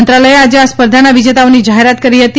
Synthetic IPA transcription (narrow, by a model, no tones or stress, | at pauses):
nt̪ɾaləjead͡ʑeaspəɾd̪ʱanaʋid͡ʑet̪aʋniːd͡ʑaɦeɾat̪kəɾiːɦət̪i